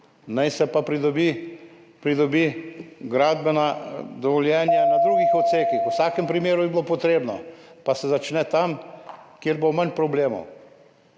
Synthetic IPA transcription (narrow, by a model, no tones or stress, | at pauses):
najsɛpapɾid̪ɔbi | pɾid̪ɔbiɡɾaːd̪bɛnad̪ɔʋɔljɛːnjanad̪ɾuːɡixɔt̪t̪seːkixwsaːkɛmpɾimeːɾubibilopɔt̪ɾeːbnɔpasɛzat͡ʃnɛt̪amkjeɾbowmanpɾɔbleːmɔ̰w